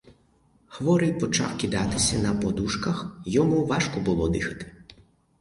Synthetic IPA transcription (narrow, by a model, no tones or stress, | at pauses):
xʋɔɾɪjpɔt͡ʃa̰wkʲid̪at̪ɪsʲɐnɐpɔd̪uʃkɐxjɔmuʋaʃkɔbʊlˠɔd̪ɪxɐ̥t̪ɪ̥